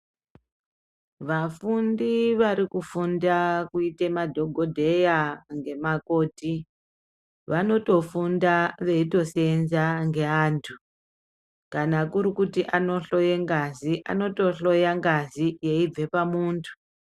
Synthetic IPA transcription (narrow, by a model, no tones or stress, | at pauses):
ʋafundiʋaɾikufundakuite̞madʱo̞ɡʱo̞dʱe̞jaŋɡe̞mako̞ːti | ʋano̞to̞fundaʋe̞ito̞se̞nzaŋɡe̞aːntʰu | kanakuɾikutiʔano̞ɬo̞jeŋɡaziʔa̰no̞to̞ɬo̞jaŋɡazije̞ib͡ve̞pamuːntʰu̥